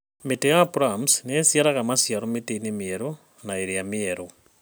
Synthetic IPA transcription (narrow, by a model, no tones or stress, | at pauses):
metejapɾamsnesjaɾaɣamasjaɾometeinemieɾo | naeɾijamieɾo